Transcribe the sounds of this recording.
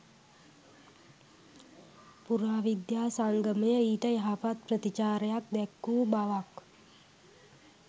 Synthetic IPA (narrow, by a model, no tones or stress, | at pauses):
puɾaːʋid̪jaːsaŋɡəməjəiːʈəjaɦapat̪̚prət̪it͡ʃaːɾəjak̚d̪ɛkːuːbaʋak